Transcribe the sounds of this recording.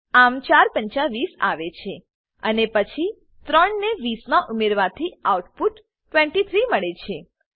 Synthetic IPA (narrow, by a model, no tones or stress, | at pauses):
amt͡ʃaɾpə̃ɲt͡ʃaʋisa̰ʋet͡ʃʰe | ənepət͡ʃʰi | t̪ɾəɳneʋismãʔumeɾʋat̪ʰiauʈpuʈː | ʋẽɳʈit̪ʰɾiməɭet͡ʃʰe